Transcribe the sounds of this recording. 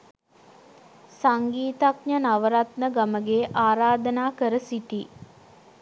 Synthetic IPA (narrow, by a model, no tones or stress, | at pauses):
saŋɡiːt̪akɲənaʋəɾat̪nəɡaməɡeːʔaːɾaːd̪ənaːkəɾəsiʈi